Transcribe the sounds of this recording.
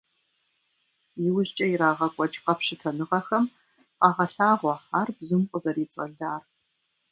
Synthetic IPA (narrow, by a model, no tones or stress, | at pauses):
jɪwʊʑt͡ʃʼɐiɾaːʁɐkʷʼɔt͡ʃʼqɐpɕɪtʰɐnɨʁɐxɐm | qɑːʁɐɬaːʁʷɔħaːrbzʊmqʷʼʊzɐɾiːt͡sʼɐ̰ɮaːr